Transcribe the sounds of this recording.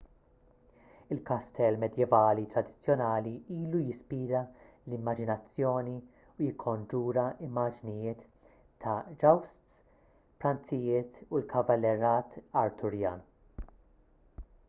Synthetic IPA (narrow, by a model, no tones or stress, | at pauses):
ɪlkɐst̪ɛlmɛd̪jɛvɐːlit̪ɾɐd̪ɪt͡sːjɔnɐːliiːlujɪspiːɾɐ | lɪmːɐd͡ʒɪnɐt͡sːjɔːni | ujɪkʰːɔnd͡ʒuːɾɐɪmːɐd͡ʒnɪjɪːt̪ʰː | ɐd͡ʒɐwst̪s | pɾɐnt͡sɪjɪːt̪ulkʰɐvɐlːɛɾɐːt̪ɐɾt̪ʊɾjɐ̰ːn